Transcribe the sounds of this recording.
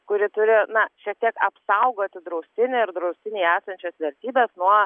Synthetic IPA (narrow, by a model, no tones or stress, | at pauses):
kʊɾʲɪt̪ʊɾʲɪnɐʃʲiɛk̚t̪ʲiɛkɐpsɐʊɡoːt̪ʲɪd̪ɾɐʊsʲt̪ʲɪnʲɪɾd̪ɾɐʊsʲt̪ʲɪnʲiːæːsɐnʲt͡ʃʲɛsʋʲɛɾʲt̪ʲiːbʲɛːsnuɔ